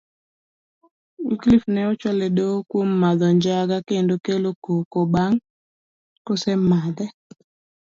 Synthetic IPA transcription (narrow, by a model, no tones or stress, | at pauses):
iklifnɛot͡ʃɔledokwomːad̪ɔɲd͡ʒaɡakendokelokokobaŋ | kosɛmad̪ɛ